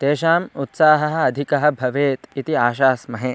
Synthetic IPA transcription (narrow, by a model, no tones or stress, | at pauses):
t̪eːʃaːmut̪saːɦɐɦɐ̆ɐd̪ʱikɐɦɐ̆bʱɐʋeːt̪it̪iaːʃaːsmɐɦe